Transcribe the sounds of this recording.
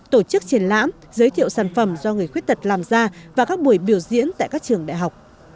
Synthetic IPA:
t̪o˧˩t͡ɕɨ˦˥k̚t͡ɕi˨˩nla̰ː˧˥m | zəː˨˦jt̪ʰḭ˧˨əwsaː˧˩nfə˧˩mzɔ˧ŋɨ˨˩əjxwt̚t̪ə˨˩t̚laː˨˩mzaː˧vaː˨˩kaː˦˥k̚ɓu˧˩əjɓi˧˩əwzḭ˧˥ənt̪a̰ː˧˨jkaː˦˥k̚t͡ɕɨ˨˩əŋɗa̰ː˧˨jɦa˨˩wk͡p̚

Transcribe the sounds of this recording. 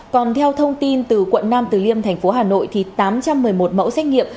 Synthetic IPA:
kɔ˨˩nt̪ʰɛ˧wt̪ʰə˧wŋ͡mt̪i˧nt̪ɨ˨˩kwə̰˧˨nːaː˧mt̪ɨ˨˩li˧əmt̪ʰɛ˨˩jŋ̟fo˨˦ɦaː˨˩no̰˧˨jt̪ʰi˨˩t̪aː˨˦mt͡ɕa˧mːɨ˨˩əjmo˨˩t̚mə̰˧˥wsɛ˦˥k̟̚ŋḭ˧˨əm

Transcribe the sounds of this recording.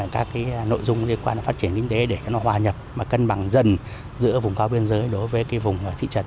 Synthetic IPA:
kaː˦˥kːaː˨˦jno̰˧˨jzʊ˧ŋ͡mli˧ənkwaː˧n˨˦fa˦˥t̚t͡ɕi˧˩ənkï˧ŋ̟t̪e˨˦ɗe˧˩t͡ɕɔ˨˧˦nɔ˨˦hwaː˨˩ɲə˨˩p̚maː˨˩kə˧nɓa˧˩ŋzə˧˩n | zɨ̰˧˥əvʊ˨˩ŋ͡mkaː˧wɓi˧ənzəː˨˦jɗo˨˦jvəː˨˦jkaː˨˦jvʊ˨˩ŋ͡mt̪ʰḭ˧˨t͡ɕə˨˧˩t̚

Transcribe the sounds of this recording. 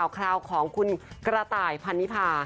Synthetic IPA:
wkʰɾaː˧wkʰɔː˨˩˦ŋkʰu˧nkɾa˧t̪aː˨˩jpʰa˧nːi˦˥pʰaː˧

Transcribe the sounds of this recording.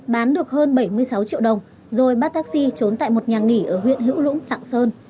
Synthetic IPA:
ɓaː˨˦nɗɨ˨˩ək̚həː˧nɓə˧˩jmɨ˧əjsa˨˦wt͡ɕḭ˧˨əwɗə˨˩wŋ͡m | zo˨˩jɓaː˦˥t̪aː˦˥k̚si˧t͡ɕo˨˦nt̪a̰ː˧˨jmo˨˩t̚ɲaː˨˩ŋi˧˩ʔəː˧˩ɦwḭ˧˨ənɦḭ˧˥wlʊ̰˧˥ŋ͡mla̰ː˧˨ŋsəː˧n

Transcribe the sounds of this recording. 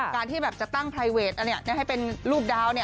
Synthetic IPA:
kaː˧nt̪ʰiː˥˩bɛː˨˩p̚t͡ɕa˨˩t̪a˥˩ŋpʰa˧jweː˨˩t̪̚ʔa˧a˧˦ɐ˨˩na˥˩ɦa˥˩jpe˧nɾuː˥˩p̚daː˦˥wni˥˩ɐ

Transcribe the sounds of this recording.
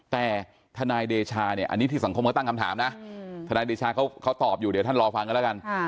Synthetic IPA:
t̪ɛː˨˩ | t̪ʰa˧naː˧jdeː˧t͡ɕʰaː˧ni˥˩ɐʔa̰˧nːiː˦˥t̪ʰiː˥˩sa˩˦kʰo˧mkʰːt̪a˥˩kʰa˧mt̪ʰaː˩˦mna˦˥ʔt̪ʰa˧naː˧jdeː˧t͡ɕʰaː˧kʰa˦˥wkʰa˦˥wt̪ɔː˨˩p̚juː˨˩di˩˦t̪a˥˩nɾɔː˧fa˧ŋka˧nlɛ˦˥ka˧n

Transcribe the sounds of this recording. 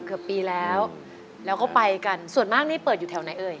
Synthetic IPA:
kɯ˨˩əpːiː˧lɛː˦˥w | lɛː˦˥wkɔː˥˩pa˧jka˧nsu˨˩ənmaː˥˩k̚niː˥˩pɤː˨˩t̪̚juː˨˩ɛː˧˩wna˨˩˦jʔɤː˧j

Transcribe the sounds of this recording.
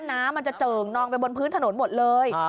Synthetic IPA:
nnaː˦˥mːa˧nt͡ɕa˨˩t͡ɕəː˨˩ŋnɔː˧ŋpa˧jbo˧npʰɨɯː˦˥nt̪ʰno˨˩˦nmo˨˩t̪̚lɤː˧j

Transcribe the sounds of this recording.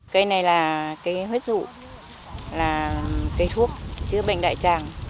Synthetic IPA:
kə˧jna˨˩jlaː˨˩kaː˨˦jɦwe˦˥t̚zṵ˧˨ | laː˨˩kə˧jt̪ʰu˦˥ək̚t͡ɕɨ˨˦əɓa̰˧˨jŋ̟ɗa̰ː˧˨jt͡ɕaː˨˩ŋ

